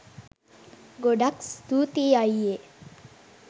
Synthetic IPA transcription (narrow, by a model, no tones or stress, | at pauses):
ɡoɖakst̪uːt̪iaje